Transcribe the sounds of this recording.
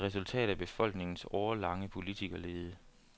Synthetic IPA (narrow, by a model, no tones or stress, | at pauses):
ʁɛsult͡sʰɛ̰ːd̥̩ˠæb̥e̝fɒ̽l̰ɡ̥ne̝ŋn̩sɒʊɐlɑ̈ŋəpʰo̝lit͡sʰiɡ̥ɐle̝ːð̩ˠə